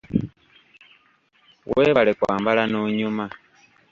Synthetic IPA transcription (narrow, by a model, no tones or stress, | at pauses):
wʔeːβalekwa̰ːmbalanoːɲuma